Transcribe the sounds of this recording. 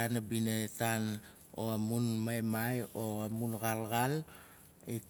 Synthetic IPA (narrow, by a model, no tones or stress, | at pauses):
anabinetan | oamunmajmajoamunɡalɡal | i